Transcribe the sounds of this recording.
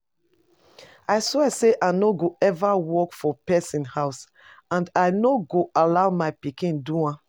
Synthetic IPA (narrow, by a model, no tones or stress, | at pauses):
aɪswɛseʔaɪnoɡoɛvawɔkfɔpɛsĩnhaʊs | ãndaɪnoɡoʔalaʊmaɪpikĩnduã